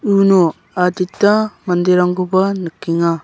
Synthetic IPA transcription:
uno | aditːamɐndiɾaŋɡubɐnɯkːiŋa

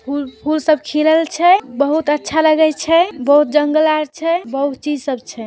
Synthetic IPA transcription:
pʰulpʰulsəbkʰiləlt͡ʃʰɛbəɦut̪ətːʃʰaləɡɛt͡ʃʰɛbəɦut̪̚d͡ʒəŋɡəlaɾt͡ʃʰɛbəɦut̪̚t͡ʃid͡ʒsəbt͡ʃʰɛ

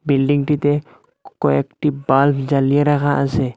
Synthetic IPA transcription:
bilɖiŋʈit̪ɛ | kɔɛkʈibalfd͡ʒalijaɾaɣaʔəsɛ

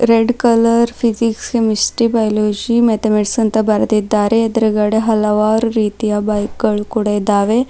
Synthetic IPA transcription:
ɾeɖkələɾfizikskemisʈibajlod͡ʑimet̪emeʈsənt̪abʱaɾt̪it̪̚d̪aɾeed̪ɾəɡaɽeɦɐlaʋaɾːit̪ijabajkːəɭkuɽed̪aʋe

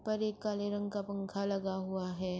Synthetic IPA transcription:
pɐɾeːkːaːleɾɐ̃ŋɡkapɐ̃ŋkʰalɐɡaɦʊaɦɛː

